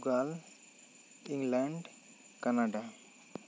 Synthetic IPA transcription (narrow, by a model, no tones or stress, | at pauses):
ɡal | iŋlaɳɖ | kanaɖa